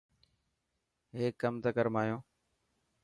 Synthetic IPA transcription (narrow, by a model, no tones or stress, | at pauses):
ɦeːkːəmt̪əkəɾmaːjõː